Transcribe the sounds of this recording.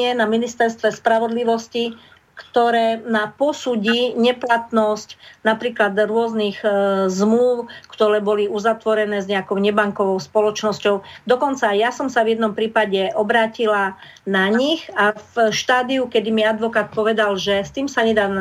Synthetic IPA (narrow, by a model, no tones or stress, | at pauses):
ɛnaminist̪ɛɾst̪ʋɛspɾaʋɔd̪liʋɔsci | kt̪ɔɾɛːnapɔsuːɟiɲɛplat̪nɔscnapɾiːklad̪ɾʊɔzniɣzmluʊkt̪ɔɾɛːbɔliuzat̪ʋɔɾɛnɛːzɲɛakɔʊɲɛbaŋkɔʋɔʊspɔlɔt͡ʃnɔscɔʊd̪ɔkɔnt͡sajasɔmsavjɛd̪nɔmpɾiːpaɟɛʔɔbɾaːcila | naɲixafʃt̪aːd̪iukɛd̪imiad̪ʋɔkaːt̪̚pɔʋɛd̪alʒɛst̪iːmsaɲɛd̪aː